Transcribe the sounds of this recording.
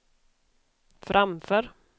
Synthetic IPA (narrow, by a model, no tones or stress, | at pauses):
fɾʔamfœːɾ